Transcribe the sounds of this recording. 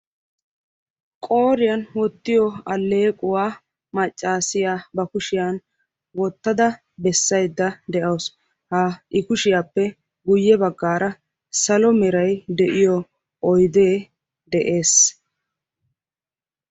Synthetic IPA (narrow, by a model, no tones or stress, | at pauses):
kʼo̞ːɾɪjanwɔt̪ːɪjɔɐlːe̞ːkʼʊwaː | mɐt͡ʃʼːaːsɪjaːbɐkʊʃɪjan | wɔt̪ːɐd̪ɐ | bɛsːɐjd̪ːɐd̪ɛʔɐws | haʔɪkʊʃɪjaːpːɛ | ɡʊjːɛbɐɡːaːɾɐ | sɐlɔmɛɾɐjd̪ɛʔɪjɔ | ʔɔjd̪eː | d̪ɛʔe̞ːs